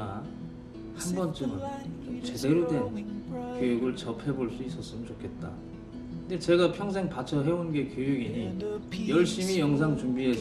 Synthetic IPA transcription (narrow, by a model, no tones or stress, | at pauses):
a | hanbʌnt͡ɕ͈ɯnɯnmt͡ɕe̞de̞ɾodwe̞nkjojuɡɯɭt͡ɕʌpʰe̞boɭs͈uis͈ʌs͈ɯmɯnt͡ɕokʰe̞t̚t͈a̰ | kkɯndet͡ɕe̞ɡapʰjʌŋs̬ʰe̞ŋpat͡ɕʰʌɦe̞onɡe̞kjojuɡiɲijʌɭɕ͈imijʌŋsʰaŋt͡ɕuŋbie̞s